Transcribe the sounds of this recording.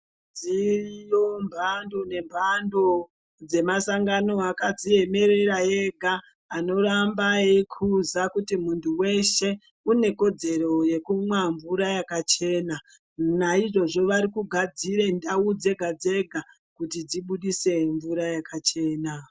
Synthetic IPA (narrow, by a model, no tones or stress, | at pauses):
d͡zirijo̞mbʱando̞ne̞mbʱando̞ | d͡ze̞masaŋɡano̞akad͡zie̞me̞ɾe̞ɾaje̞ɡʱaː | no̞ɾambaekʰuzakutimuntʰuwe̞ʃe̞ | une̞ko̞d͡ze̞ɾo̞je̞kumwaɱvuɾajakat͡ʃe̞ːna | naiʐo̞ʐo̞ʋaɾikuɡʱad͡ziɾe̞ndaud͡ze̞ɡʱad͡ze̞ɡʱa | kutid͡ziɓuɗise̞ɱvuɾajakat͡ʃe̞ːna